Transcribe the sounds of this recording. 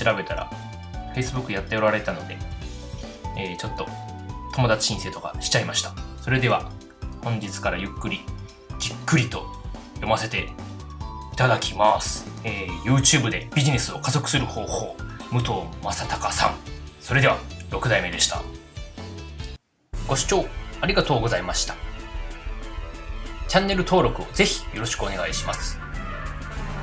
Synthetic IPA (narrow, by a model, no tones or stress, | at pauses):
ɕiɾabe̞t̪aɾa̰ | ɸe̞isɨbɯ̟kːɯjat̪ːe̞o̞ɾaɾe̞t̪ano̞d̪e̞̰ | t͡ɕo̞t̪ːo̞t̪o̞mo̞d̪at͡ɕi̥ɕĩseːt̪o̞ka̰ɕi̥t͡ɕaimaɕi̥t̪ḁso̞ɾe̞d̪e̞β̞a | hõ̞ɲ̟d͡ʑit͡sɨ̥kaɾajɯ̟kːɯɾʲi | d͡ʑikːɯ̟ɾʲit̪o̞ | jo̞mase̞t̪e̞ | it̪ad̪akʲimasɨ̥eːjɯ̟ːt͡ɕɨːbɯ̟d̪e̞bʲiʑine̞sɨo̞kazo̞kɯ̟sɨɾɯ̟ho̞ːho̞̰ːmɯ̟t̪o̞ːmasat̪akasã̰ŋso̞ɾe̞d̪e̞βa̰ɾo̞kɯ̟d̪aime̞d̪e̞ɕi̥t̪a̰ | ɡ̥o̞ɕi̥t͡ɕo̞ːaɾʲiɡat̪o̞ːɡo̞zaimaɕi̥t̪ḁ | t͡ɕãnːe̞ɾɯ̟t̪o̞ːɾo̞kɯ̟o̞ze̞çi̥jo̞ɾo̞ɕi̥kɯ̟one̞ɡaiɕimasɨ̥